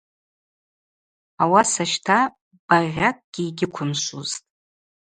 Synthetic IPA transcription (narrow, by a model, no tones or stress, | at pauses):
awasaʃtʰa | b̥arʁʲakʼɡ̥ʲiːɡʲɪkʷʰʊmʃuztʼ